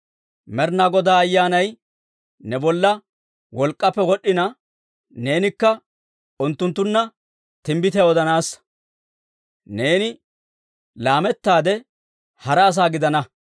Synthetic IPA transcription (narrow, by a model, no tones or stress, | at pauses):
mɛɾnaɡɔd̪aːɐjːaːnɐj | nɛbɔlːɐ | wɔlkʼːɐpːɛwɔɗːɪnɐ | ne̞ːnɪkːɐ | ʊnt̪ːʊnt̪ːʊnːɐ | t̪ɪmbɪt̪ɛɔd̪ɐnaːs | ne̞ːnɪ | laːmɛt̪ːaːd̪ɛ | hɐɾɐːs̬aːɡɪd̪ɐnɐ